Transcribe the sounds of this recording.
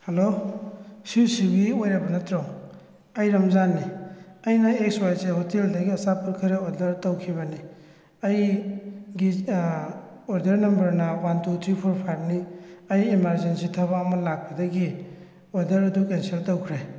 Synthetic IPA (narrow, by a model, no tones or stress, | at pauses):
helo | siwsiɡiojɾabɐnɐtɾɔŋ | ɐjɾamzanːiɐjnɐek̚swajsehoteldɐɡiɐsapɯlkʰɐɾeodɐɾtawkʰibɐni | ɐj | ɡi | oɾdɐɾnɐmbɐɾnɐwantutʰɾipʰoɾpʰajp̚niɐjemaɾzensitʰaβaːmɐlak̚pɐdɐɡi | odɐɾɐdukenseltɔwkʰɾe